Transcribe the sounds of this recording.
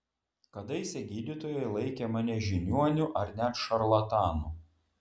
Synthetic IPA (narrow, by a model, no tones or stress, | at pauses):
kɐd̪ɐɪsʲɛɡʲiːd̪ʲit̪oːjɛɪlˠɐɪkʲɛmɑnʲɛʒʲɪnʲuɔnʲʊʔɐɾnʲɛt̪ʃɐɾlˠɐt̪ɑːnuː